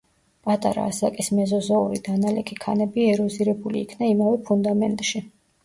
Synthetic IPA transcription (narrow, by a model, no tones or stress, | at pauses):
pʼat̪ʼa̰ɾa̰ːsakʼismɛzɔzɔuɾid̪analɛkʰikʰanɛbiɛɾɔziɾɛbulḭːkʰnaimavɛpʰund̪amɛnt̪ʼʃi